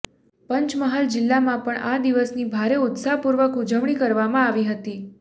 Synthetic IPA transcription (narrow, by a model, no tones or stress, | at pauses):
pəɲt͡ʃməɦald͡ʒɪlːamãpəɳad̪iʋəsnibʱaɾeʊt̪saɦpuɾʋəkud͡ʒəʋɳ̃ikəɾʋamãaʋiɦət̪i